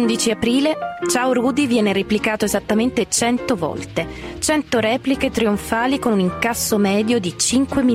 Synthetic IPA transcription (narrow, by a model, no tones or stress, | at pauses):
nd̪it͡ʃiapɾiːlet͡ʃawɾuːd̪ivjɛːneɾeplikaːt̪oezat̪ːament̪et͡ʃɛnt̪ovɔ̰lt̪et͡ʃɛnt̪oɾɛːpliket̪ɾioɱfaːlikonuniŋkasːomɛːd̪jod̪it͡ʃiŋkwemi